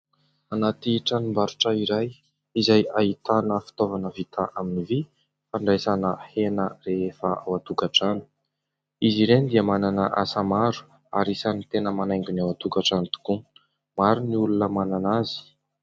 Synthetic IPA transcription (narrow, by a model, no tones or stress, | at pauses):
anat̪iʈ͡ʂanimbaɾuʈ͡ʂəiɾaj | izajait̪anəfi̥t̪ovanəvit̪ʰaʔaminivi | faɳɖ͡ʐajsanəhenəreefəawat̪ukaʈ͡ʂani̥ | iziɾend̪iəmananəʔasamaɾu̥ | a̰ɾisanit̪enəmanajŋɡunawat̪ukaʈ͡ʂanit̪u̥ku | maɾuniulunəmananazi̥